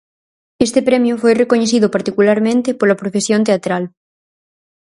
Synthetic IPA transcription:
est̪epɾemjufojrekoɲeθiðopaɾt̪ikulaɾmẽnt̪epolapɾofesjont̪̬eat̪ɾal

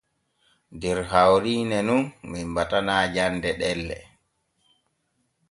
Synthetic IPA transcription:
dɛɾhawɾiːnɛnunminbatanaːd͡ʒandɛɗɛlːɛ̰

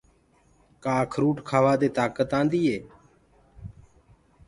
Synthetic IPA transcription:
kaːkʰɾuːʈkʰaːʋaːd̪eːt̪aːkət̪ãːnd̪iːeː

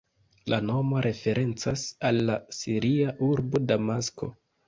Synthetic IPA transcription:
lʔano̞mo̞ɾʔe̞fe̞ɾʔe̞nt͡sasalːasiɾiaʔuɾbo̞damasko̞̰

